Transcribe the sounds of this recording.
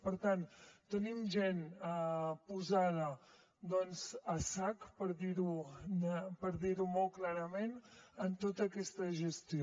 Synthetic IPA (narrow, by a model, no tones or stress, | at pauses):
pəɾt̪ant̪ənimʒɛnəpuzaðə | d̪ɔnzəsakpəɾðiɾu | pəɾðiɾumolˠklaɾəmenənt̪ot̪əːkɛst̪əʒəst̪i